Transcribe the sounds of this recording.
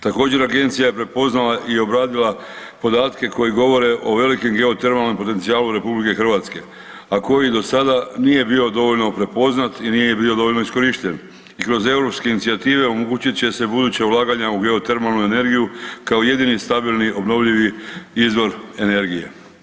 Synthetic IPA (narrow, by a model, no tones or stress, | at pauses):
t̪ako̞ːd͡ʑe̞ɾaɡe̞nt̪sijaje̞pɾe̞po̞znalaʔio̞bɾaːd̪ila | po̞d̪aːt̪ke̞ko̞jiɡo̞ʋo̞ɾe̞ʔo̞ʋe̞likimɡe̞ot̪eɾmalˠnempo̞t̪e̞nt̪sijaːluɾe̞publike̞xr̩ʋat̪ske̞ | ako̞jid̪o̞sad̪anije̞bio̞d̪o̞ʋo̞ʎno̞pɾe̞po̞znat̪inijejebio̞d̪o̞olno̞isko̞ɾiʃt̪en | ikɾo̞ze̞wɾo̞pskeinit̪sijat̪iːʋe̞o̞moɡuːt͡ɕit̪t͡ɕe̞se̞bud̪uːt͡ɕeulaːɡaɲauɡe̞o̞t̪e̞ɾmalnue̞ne̞ɾɡijukaoje̞d̪inist̪abilˠniʔo̞bno̞ʋʎiʋiizʋo̞ɾe̞ne̞ɾɡije̞̰